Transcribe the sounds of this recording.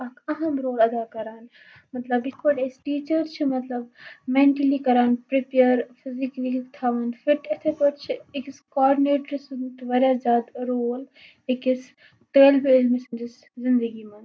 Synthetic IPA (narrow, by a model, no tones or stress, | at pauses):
ɐkɐɦɐmɾoːlɐd̪aːkɐɾaːn | mɐt̪lɐbɪkʋɐɖesʈiːt͡ʃəɾt͡ʃʰimɐt̪lɐbmeɳʈəlikɐɾaːnpɾepejəɾfʰɪziklikkt̪ʰaːʋɐnfʰɪɾʈ̪ɐt̪ʰepɐʈt͡ʃʰiekɪskɔːɾɖineːʈɾisɨnt̪ʋɐɾjazjaːd̪ɾoːl | ekis | ʈəːlbiɪlmesɐnd͡ʒɪs | zɪnd̪əɡimɐn